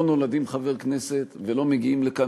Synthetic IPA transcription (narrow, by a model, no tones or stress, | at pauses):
no̞lad̪imχave̞ʁknese̞t̪velo̞meɡiimleka